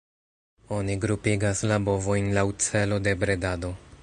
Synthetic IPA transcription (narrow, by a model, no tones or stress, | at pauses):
o̞niɡɾupiɡaslabo̞vo̞jnlawt͡se̞lo̞de̞bɾe̞dado̞